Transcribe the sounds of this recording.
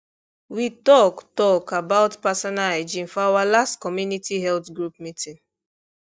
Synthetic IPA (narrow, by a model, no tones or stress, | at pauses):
witɔktɔkabawtpasɔnaled͡ʒĩnfɔawalastkɔmjunitʰiɦɛltɡɹup̚mitʰĩn